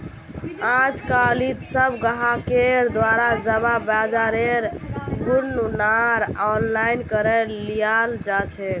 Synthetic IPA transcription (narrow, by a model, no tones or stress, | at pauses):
ãd͡ʒkalit̪səbɡəɦakeɾd̪ʋaɾad͡ʒəbabad͡ʒaɾeɾɡunːunaɾɔnlainkəɾɛlijald͡ʒat͡ʃʰɛ